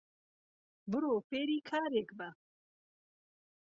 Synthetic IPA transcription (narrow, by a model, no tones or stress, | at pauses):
bɨɾoːfeːɾiːkʰaːɾeːkbɐ